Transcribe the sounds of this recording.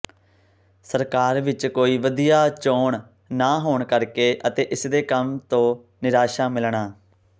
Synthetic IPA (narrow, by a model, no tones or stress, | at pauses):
səɾkaːɾʋɪt͡ʃkoːiːʋəd̪ijaːt͡ʃoːɳ | naːɦoːɳkəɾkeːʔət̪eːʔɪsd̪eːkəmt̪õː | nɪɾaːʃaːmɪlɳaː